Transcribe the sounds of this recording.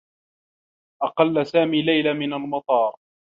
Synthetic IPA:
ʔɑqɑlːasaːmiːlajlamɪnalmɑt̪ˤɑːɾˤ

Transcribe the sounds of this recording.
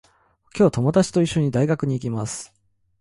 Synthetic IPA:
kʲo̞ːt̪o̞mo̞d̪at͡ɕi̥t̪o̞iɕːo̞ɲ̟id̪aiɡakɯ̟ɲ̟iːkʲimasɨ̥

